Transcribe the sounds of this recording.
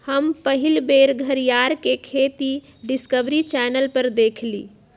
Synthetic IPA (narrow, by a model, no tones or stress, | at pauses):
həmpəɦilbeɾɡʱəɾijaɾkekʰet̪i | ɖiskəbɾit͡ʃɛnəlpəɾd̪ekʰliː